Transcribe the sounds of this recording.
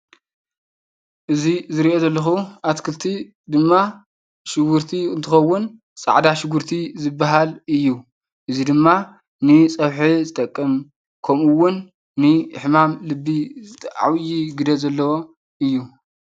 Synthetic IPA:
ʔɨzizɨɾiʔo̞zɐlːɐxuʔat̪kʰɨlt̪ʰi | d̪ɨmːa | ʃɪɡʊɾt̪ʰiɨnt̪ʰɨxɐwːʊn | t͡sʼa̰ʕd̪aʃɪɡuɾt̪ʰizɨbːaɦalɨjːu | ʔɨzid̪ɨmːa | nɨt͡sʼɐβħizɨt̪ʼɐkʼːɨm | kʰɐmɨwːʊnː | ɨħmamlɨbːizɨt̪ʰʼʔa̰wjiɡɨd̪ɐzɐlːɐwo̞ | ʔɨjːu

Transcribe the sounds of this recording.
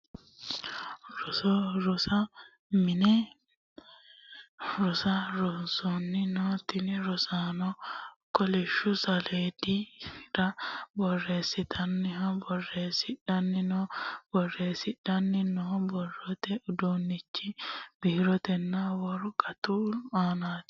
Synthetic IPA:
ɾɔsɔɾɔsa | mɪnɛ | ɾɔsaɾɔnsɔnːɪnɔt̪ɪnɛɾɔsaːnɔkɔlɛʃʊsɐleːdiɾabɔrːe̞ːsːɪt̪ʰɐnːɪhɐbɔrːe̞ːsɪᶑɐnːɪnɔb̥ɔrːe̞ːsɪᶑɐnːɪnɔbɔrːɔt̪ɛʊd̪oːnːɪt͡ʃːɪb̥ɪhɪɾɔt̪ɛnːawɔɾʊkʼɐt̪uːlaːnaːt̪

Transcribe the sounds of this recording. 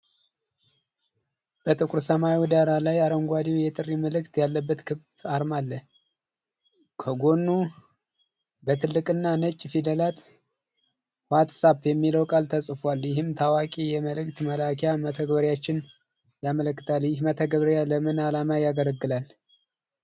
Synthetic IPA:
b̥ət̪ʼɨkʼuɾsəmaiwd̪aɾalajaɾəŋɡʷad̪iwjɛt̪ʼɨrːiməlɨkt̪jalːəbːət̪kʰɨbbaɾmalːə | kʰəɡo̞nːu | bət̪ʰɨlːɨkʼɨnːanət͡ʃʼːfid̪əlat̪ | wat̪sabjɛmːiləwkʼalt̪ʰəsʼfwaljɪɦɨmt̪ʰawakʼijɛməlɨkt̪məlakʰjamət̪ʰəɡbəɾjat͡ʃːɪn | jamələkːɨt̪ʰaljɪhmət̪ʰəɡβəɾjaləmɨnalamajaɡələɡːɨlal

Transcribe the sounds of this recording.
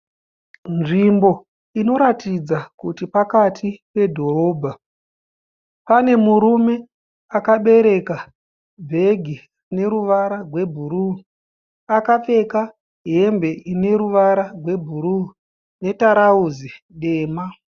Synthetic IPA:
nʐimbo̞ | ino̞ɾatid͡zakutipakatʰipe̞dʱo̞ro̞ːbʱa | pane̞muɾume̞ | akaɓe̞ɾe̞ka | bʱe̞ɡʱi | ne̞ɾuʋaɾaɡwe̞bʱuɾu | akap͡fe̞ka | ɦe̞mbe̞ine̞ɾuʋaɾarʱwe̞bʱuɾu | ne̞taɾauzi | ɗe̞ːma

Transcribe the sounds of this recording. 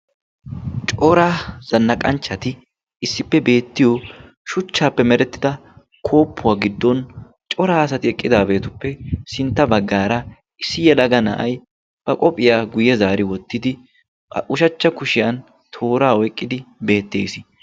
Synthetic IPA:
t͡ʃʼɔɾazɐnːɐkʼɐnt͡ʃːɐt̪ɪ | ɪsːɪpːɛbe̞ːt̪ːɪjɔ | ʃʊt͡ʃːaːpːɛmɛɾɛt̪ːɪ̥d̪ɐ | kʰo̞ːpːʊwaːɡɪd̪ːɔn | t͡ʃʼɔɾaːɐsɐt̪ɪɛkʼːɪd̪aːbe̞ːt̪ʊpːɛsɪnt̪ːɐbɐɡːaːɾɐ | ɪsːɪjɛlɐɡɐnɐ̰ʔɐj | b̥ɐkʼɔpʼːɪjaːɡʊjɛzaːɾɪwɔt̪ːɪd̪ɪ | ʔʊʃɐt͡ʃːɐkʊʃɪjɐn | t̪ʰo̞ːɾaːɔjkʼːɪd̪ɪbe̞ːt̪ːḛːsɪ

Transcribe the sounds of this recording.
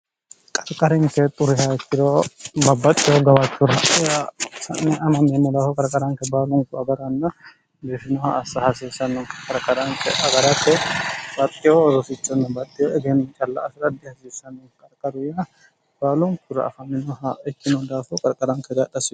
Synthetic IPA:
kʼɐɾkʼːɐɾɪŋkɛt̪ʼʊɾɪhaɛkːɪɾobɐbːɐt̪ʼːɪjoɡɐwɐt͡ʃːʊɾɐasɐ̰nːɛɐmɐmːɛnːɛd̪aːfɔkʼɐɾkʼɐɾɐŋkɛbaːlʊŋkʊɐɡɐɾɐnːɐ | b̪ɪfɪnɔhɐ̰ːsːɐhɐsiːsːɐnːɔŋkʼɐɾkʼːɐɾɐŋkɛ̰ʔɐɡɐɾɐkːɛb̥ɐt̪ʼːɪjɔːzɔsɪt͡ʃːɐnːɐbɐt̪ʼːɪjoɛɡɛnɐt͡ʃʼɐlːɐ̰ʔːsɪɾɐd̪ɪhɐsiːsːɐnːɔŋkʼɐɾkʼːɐɾʊjɐ | b̥aːlʊŋkʊɾɐ̰ːfɐmɪnɔhɐɛkːɪnɔd̪aːfɔkʼɐɾkʼɐɾɐŋkɛɡɐɗɐsɪ

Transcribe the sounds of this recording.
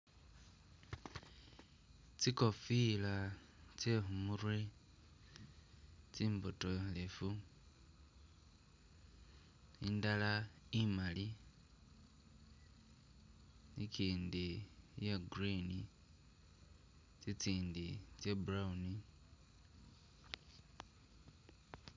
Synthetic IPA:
t͡siko̞fila | t͡sexumuɾwe | t͡siːmbotolefu | indalaimali | nikiːndijeɡɾini | t͡sit͡siːndit͡ʃebuɾauni

